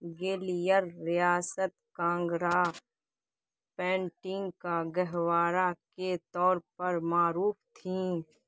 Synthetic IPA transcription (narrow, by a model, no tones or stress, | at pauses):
ɡeːlijəɾːɪjaːsət̪kãːŋɡɾaː | pɛ̃ːɳʈɪ̃ŋɡkaɡəɦwaːɾaket̪ɔːɾpəɾmaːɾuːfʰt̪ʰĩː